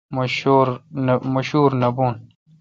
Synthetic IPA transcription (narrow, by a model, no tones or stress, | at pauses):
moɾmɐɕuːɾnɐbuːn